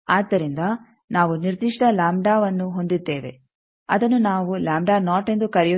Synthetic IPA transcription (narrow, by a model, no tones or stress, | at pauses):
aːd̪ːɐɾind̪ɐ | naːʋuniɾd̪iʂʈɐlaːmɖaːʋɐnːuɦo̞nd̪id̪ːeːʋe̞̰ | ɐ̰d̪ɐnːunaːʋulaːmɖaːnaːʈe̞nd̪ukɐɾɛju